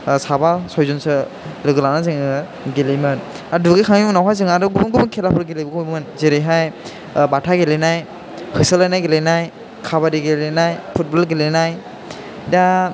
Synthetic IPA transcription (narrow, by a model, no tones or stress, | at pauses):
sabasɔjzɔnsɯ | lɯɡɯlanazɯŋ | ɡelimɯn | aduɡɯkʰaŋimɯnawɦajzɯŋadɯɡubŋɡubkʰelapʰɯɾɡelijbɯkʰɯnzeɾeɦaj | batʰaɡelenaj | hʰɯsɯlajnajɡelenaj | kʰaβadiɡelenajpʰut̚bɔlɡelenaj | da